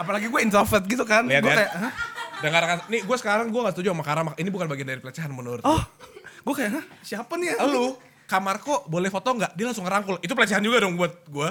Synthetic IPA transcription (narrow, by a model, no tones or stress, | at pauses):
apalaɡiɡuainsafət̪̚ɡit̪ukanliat̪ɡliakajaʔɦədəŋaɾŋaniɡuasə̥kaɾaŋɡuaŋɡaʔsət̪ud͡ʒuamakaɾamakinibukanbaɡiandaɾipəlat͡ʃaɦanmənʊɾt̪ɔhɡuakajaʔɦəsiapanjalu | kamarkobolɛhfot̪ɔŋɡaʔdialaŋsʊŋəɾaŋkʊlit̪upəlat͡ʃɛɦand͡ʒuɡadɔŋbuat̪̚ɡua